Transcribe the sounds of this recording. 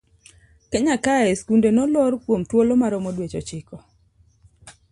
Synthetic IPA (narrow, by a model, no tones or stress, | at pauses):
keɲakaɛskundenɔlɔrkwomtwolomaɾɔmɔdwet͡ʃɔt͡ʃɪkɔ